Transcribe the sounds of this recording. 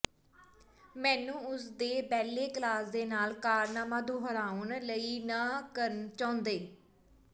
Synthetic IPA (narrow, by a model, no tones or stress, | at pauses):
mɛ̃ːnũːʊsd̪eːbɛːleːkəlaːsd̪eːnaːlkaːɾnaːmãːd̪uːɦəɾaːʊnləiːnaːkəɾənt͡ʃãːʊnd̪eː